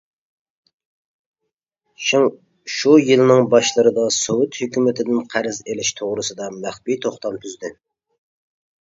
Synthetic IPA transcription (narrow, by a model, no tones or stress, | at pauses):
ʃujɨlnɪŋbɑʃlˠɨɾɨd̪ɑsowʊt̪høkʲymɪt̪ʰɪd̪ɪnqʰæɾɪzelɪʃt̪ʰoʁɾɨsɨd̪ɑmæχbit̪ʰoχt̪ʰɑlˠt̪ʰyzd̪ɪ